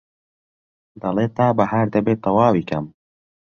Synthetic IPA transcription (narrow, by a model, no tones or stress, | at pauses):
d̪ɐleːt̪ːaːbɐhaɾd̪ɐbeːt̪ːɐwaːwiːkɐm